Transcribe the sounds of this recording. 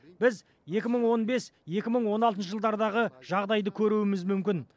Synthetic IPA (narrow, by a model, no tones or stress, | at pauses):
b̥ɪz | je̞kʲɪməɴwo̞nbe̞sje̞kʲɪməɴwo̞nɑlˠt̪ənʃəʒəlˠd̪ɑɾd̪ɑʁəʒ̥ɑʁd̪ɑjd̪əkʲʰɵɾuwɪmɪzmʏmkʲɪn